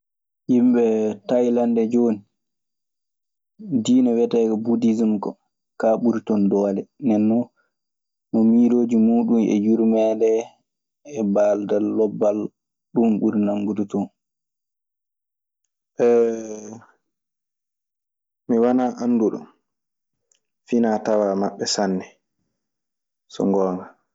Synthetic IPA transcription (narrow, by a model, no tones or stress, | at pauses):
jimɓɛtajlandɛd͡ʒoːni | diːnɔwɛtakɔbudizumkɔ̰ | kaɓuɾtɔndɔːlɛnɛnːɔ | nɔmiːɾoːd͡ʒimuːɗunɛ̰juɾmɛːndɛː | baldalːɔbːal | ɗumɓuɾnaŋɡudutɔn | ʔɛ | miwanaʔanːduɗɔ̰m | finaːtawaːmaɓːɛsanːɛ | sɔ̰ŋɡɔːŋa